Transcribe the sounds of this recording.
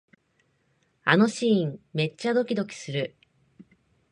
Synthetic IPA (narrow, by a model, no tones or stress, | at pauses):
ano̞ɕĩːŋme̞t͡ɕt͡ɕːad̪o̞kʲid̪o̞kʲi̥sɨɾɯ̟